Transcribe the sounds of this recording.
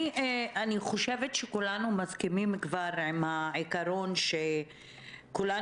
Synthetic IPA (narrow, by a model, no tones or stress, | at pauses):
aniχo̞ʃevet̪ʃekulanumazkimimkvaɾʕimhaʕikaɾo̞nʃe | kula